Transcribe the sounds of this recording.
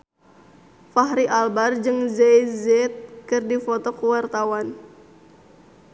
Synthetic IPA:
faɦɾiʔalbard͡ʒɨŋzejzɛt̪̚kɨrdifot̪ɔkuwart̪awan

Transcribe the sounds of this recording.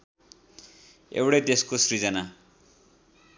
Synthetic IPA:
ḛwɽed̪eskosrid͡zʌna

